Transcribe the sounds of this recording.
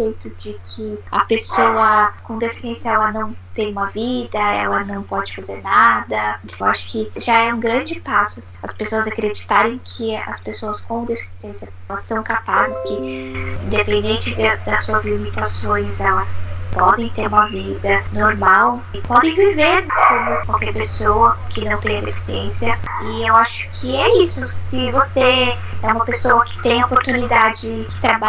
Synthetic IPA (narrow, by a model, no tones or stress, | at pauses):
sejt̪ʊd͡ʒɪkʰɪɐ̰pesowɐkõd̪efi̥siẽsjɐɛlɐnɐ̃w̃t̪ẽj̃ũmɐvid̪ɐɛ̰lɐnɐ̃w̃pɔd͡ʒɪfazeɾnad̪ɐ | waʃʊ̥kɪʒaɛũɡɾɐ̃nd͡ʒɪpasʊ | ɐspesoɐzakɾed͡ʒit̪aɾẽj̃kʰɪɐ̰spesoɐskõd̪efi̥siẽsjɐ | ɛlɐsːɐ̃w̃kapazɪskɪẽd̪epẽnd̪ẽnt͡ʃɪd̪d̪ɐsuɐzlimit̪asõj̃zɛlɐspɔd̪ẽj̃t̪eɾũmɐvid̪ɐnoɾmaw | pɔd̪ẽj̃viveɾkõmʊkawkɛɾpesowɐkɪnɐ̃w̃t̪ẽj̃ɐd̪efi̥siẽsiɐɪewaʃʊ̥kʰɪɛisʊsɪvose | ɛũmɐpesowɐkɪ̥t̪ẽj̃ɐopoɾt̪unid̪ad͡ʒɪkɪ̥t̪ɾaba